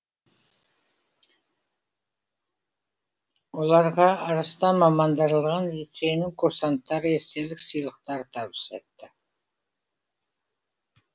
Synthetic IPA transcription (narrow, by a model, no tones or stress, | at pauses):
wolˠɑɾʁɑːɾɑst̪ɑmɑmɑnd̪ɑɾəlˠʁɑnlʲit̪se̞jnɪŋkʰuɾsant̪ːɑɾəeɾt̪e̞lɪksijlˠəqt̪ɑɾət̪ʰɑβə̥sɑjt̪ːə